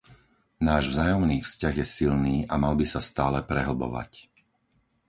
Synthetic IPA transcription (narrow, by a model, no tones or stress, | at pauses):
naːʒvzaːjɔmniːfscaɣjɛsilniːʔamalbisast̪aːlɛpɾɛɦl̩bɔ̰ʋa̰c